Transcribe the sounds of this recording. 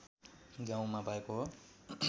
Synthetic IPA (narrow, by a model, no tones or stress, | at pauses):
ɡãw̃mabʱʌekoɦo